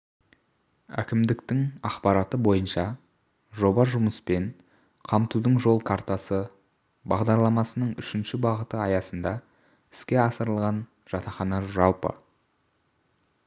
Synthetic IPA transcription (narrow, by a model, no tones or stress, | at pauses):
æ̰kʲɪmd̪ɪkt̪ɪŋɑqpɑɾɑt̪əbo̞jənʃɑ | ʒo̞bɑʒʊməspe̞n | qʰɑmt̪ud̪əɴʒo̞lˠkʰaɾt̪asə | bɑʁd̪ɑɾlˠɑmɑsənəɴʏʃɪnʃɪbɑʁət̪əɑjɑsənd̪ɑ | ɪ̥skʲe̞ɑsəɾəlˠʁɑn | ʒ̥ɑt̪ɑχɑnɑʒɑlˠpə̰